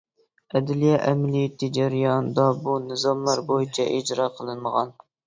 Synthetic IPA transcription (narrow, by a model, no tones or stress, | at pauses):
ɛd̪ɪlijɛʔɛmɪlijet̪ʰid͡ʒæɾijɑnd̪ɑbunɨzɑmlˠɑɾbojit͡ʃʰɛʔid͡ʒɾɑqʰəlˠɨnməʁɑn